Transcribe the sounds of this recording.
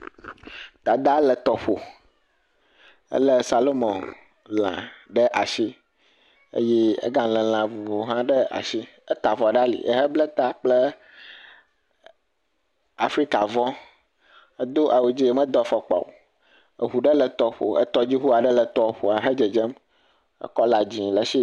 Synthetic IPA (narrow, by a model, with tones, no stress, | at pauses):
t̪a˨d̪a˦lə˨t̪ɔ˨ɸo˨ | ə̰˦lə˦sa˨lo˦mɔ̃˨n | lã̰˨ɖə˦ʔa˨ʃi˦ | ḛ˦jɛ˦ə̰˦ɡã˦lə̃˨l̃ã˨vu˨vo˨ɦã˦ɖə˦a̰˨si˦ | ə˦t̪a˨vɔ˨ɖa˦lḭ˨ʔə̰˦ɦə˦blə˦t̪a˦k͡plə˦ | a˨fɾi˦ka˨vɔ̃˦ | ə˦d̪o˦ʔa˨wu˨d͡ʑi˦mə̃˦d̪ɔ˦fɔ˨k͡pa̰˨o˨ | ə˨ɦu˨ɖə˦lə˨t̪ɔ˦ɸo̰˨ə̰˦t̪ɔ˦d͡ʑi˦ɦu˦a˨ɖə˦lə˨t̪ɔ˦ɸo˨a˨ɦə˦d͡ʒə˨d͡ʒɛ˦m | ə̰˦kɔ˦la˨d͡ʑĩ˨lə˨ʃi˦